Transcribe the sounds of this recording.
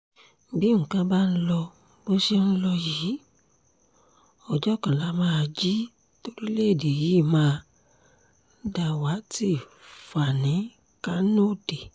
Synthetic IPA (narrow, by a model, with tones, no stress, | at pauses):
bi˦ŋ̩̃˨kã˨˦ba˦n̩˦lɔ˧ | bo˦ʃe˦n̩˦lɔ˧ji˨˦ | ɔ˨d͡ʒɔ˦˨kã˨la˨˦mãː˦˧d͡ʒi˦ | to˧ɾi˦le˦˨de˨ji˨˦˨mãː˧ | da˧wa˨˦ti˦˨ | fa˨nĩ˨˦ | ka˦no˦˨de˨